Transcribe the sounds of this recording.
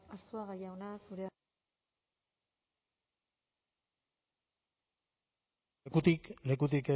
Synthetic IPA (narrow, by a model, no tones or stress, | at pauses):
aɾsuaɣajaonasuɾea | kut̪ikle̞k̬ut̪̬ike